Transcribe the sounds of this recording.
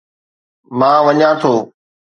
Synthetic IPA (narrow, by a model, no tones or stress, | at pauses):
mãːʋəɲãːt̪ʰoː